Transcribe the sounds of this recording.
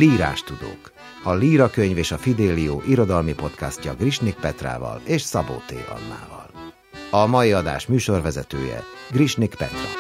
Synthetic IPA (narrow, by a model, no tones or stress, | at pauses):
liːɾa̰ːʃt̪ud̪o̰ːk | ɒliːɾɒkøɲveːʃɒfid̪eːlioːʔiɾo̞d̪ɒlmipo̞t̪kascɒɡriʃnik̚pɛt̪ra̰ːvɒ̰leːʃsɒbo̰ːt̪ḛːɒ̰nːa̰ːvɒ̰l | ɒmɒjiɒd̪a̰ːʃmyːʃo̞rvɛzɛt̪øːjɛ̰ɡriʃnikpɛt̪rɒ̰